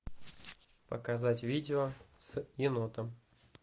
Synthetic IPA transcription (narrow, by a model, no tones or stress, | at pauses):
pəkazatʲvʲidʲɪosɪnot̪əm